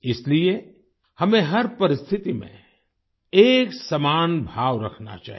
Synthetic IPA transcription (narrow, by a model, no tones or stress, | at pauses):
ɪslie | hɐmẽɦɐɾpɐɾɪst̪ʰɪt̪imḛ̃ | eːksɐmaːnbʱaːʋɾɐkʰna̰t͡ʃa̰ːɦ